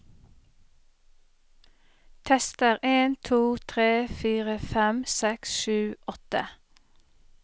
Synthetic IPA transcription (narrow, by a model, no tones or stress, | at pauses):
t̪ʰɛst̪əʁʔeːnt̪ʰuːt̪ʰʁeːfiːʁəfɛmsɛksʃʉːʔɔt̪ə